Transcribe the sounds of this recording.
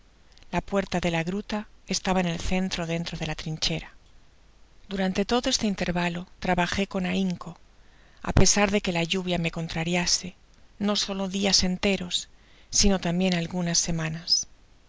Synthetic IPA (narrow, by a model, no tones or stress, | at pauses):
lapwe̞ɾt̪aðe̞laɣɾut̪ae̞st̪aβaene̞lθe̞nt̪ɾo̞ðe̞nt̪ɾoð̞e̞lat̪ɾiɲt͡ʃe̞ɾa | d̪̥uɾant̪e̞t̪o̞ðo̞e̞st̪e̞int̪e̞ɾβalo̞t̪ɾaβaxe̞ko̞naiŋko̞ | a̰pe̞saɾðe̞ke̞laʎuβ̞jame̞ko̞nt̪ɾaɾjase̞ | no̞so̞lo̞ðiase̞nt̪e̞ɾo̞sː | ino̞t̪ambje̞nalɣunasːe̞mãnas